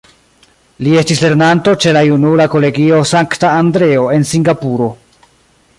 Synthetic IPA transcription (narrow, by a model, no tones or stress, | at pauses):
lie̞stisle̞ɾnanto̞t͡ʃe̞lajunulako̞le̞ɡio̞saŋktaːndɾe̞o̞e̞nsiŋɡapuɾo̞